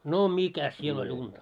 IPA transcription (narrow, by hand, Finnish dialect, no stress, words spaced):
no mikæs siel olʲ untɑ